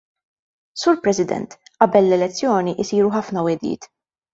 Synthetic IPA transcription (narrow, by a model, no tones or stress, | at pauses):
suːɾpɾɛsɪd̪ɛ̰nt̪ʔɐbɛlːɛlɛt͡sːjɔːniʔɪsiːɾuħɐfnɐwɛd̪ɪ̰ːt̪